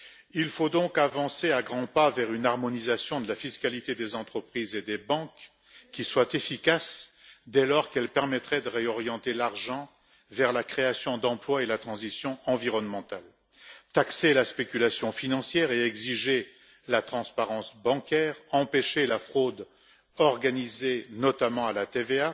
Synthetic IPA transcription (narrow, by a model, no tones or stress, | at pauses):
ilfod̪ɔ̃kavɑ̃seaɡʁɑ̃pavɛʁynaʁmɔnizasjɔ̃d̪əlafiskalit̪ed̪ezɑ̃t̪χəpχized̪ebɑ̃kʲː | iswat̪efikasd̪ɛlɔʁkɛlpɛʁmɛt̪χɛd̪əʁeɔʁjɑ̃t̪elaʁʒɑ̃ | vɛʁlakχeasjɔ̃d̪ɑ̃plwaelat̪χɑ̃zisjɔ̃ɑ̃viʁɔnmɑ̃t̪al | t̪akselaspekʲylasjɔ̃finɑ̃sjɛʁeɛɡziʒe | lat̪χɑ̃spaʁɑ̃sbɑ̃kʲɛʁɑ̃peʃelafχod̪ | ɔʁɡanizenɔt̪amɑ̃alat̪evea